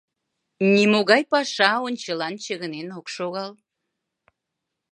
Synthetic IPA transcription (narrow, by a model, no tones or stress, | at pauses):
nimoɣɑjpɑʃɑonʲt͡ɕəlɑnt͡ɕəɣənenokʃoɣɑl